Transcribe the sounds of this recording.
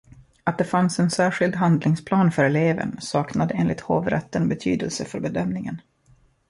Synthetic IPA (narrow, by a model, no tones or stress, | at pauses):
at̪̚d̪ɛfansɛnsæːɧɪld̪ɦand̪lɪŋspʰlɑːnfœɾɛleːvə̰nsɑːknad̪əeːnɪ̰t̪hoːvɾɛ̰t̪ːənbɛt̪ʰy̰ːd̪əlsəfœɾbɛd̪œmnɪŋən